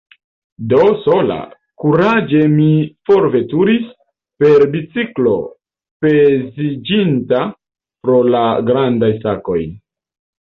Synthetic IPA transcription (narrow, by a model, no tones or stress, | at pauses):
do̞so̞la̰ | kuɾad͡ʒe̞mifo̞ɾve̞tuɾis | pe̞ɾbit͡siklo̞̰ | pe̞zid͡ʒinta | pɾo̞laɡɾandajsako̞j